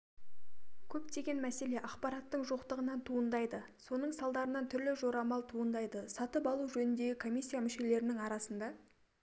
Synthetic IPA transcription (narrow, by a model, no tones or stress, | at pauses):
kʲʰɵpt̪ʰe̞ɡʲe̞nmæse̞le̞ʔɑqpɑɾɑt̪ːəɴʒoqt̪əʁənɑnt̪ʰuənd̪ɑjd̪ə | so̞n̪əɴsɑlˠd̪ɑɾənɑnt̪ʰʏɾlɪʒo̞ɾɑmɑlˠt̪ʰuənd̪ɑjd̪əsɑt̪əpɑlˠuʒɵnʏnd̪e̞ɡʲɪkʰo̞mijsʲːijamʏʃe̞le̞ɾɪnɪŋɑɾɑsənd̪ɑ